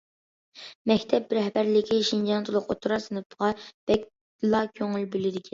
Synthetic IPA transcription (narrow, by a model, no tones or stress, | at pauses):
mɛkʲt̪ʰɛp̚bɾɛɦbæɾlɪkʲʰiʃind͡ʒɑnt̪ʰɨlˠʊqot̪ʰuɾɑsɨnɨp̚ʁɑb̥ɛk̚ʲ | d̪ɨlˠɑkʲʰøŋylbylɪd̪ɪkʲʰɛn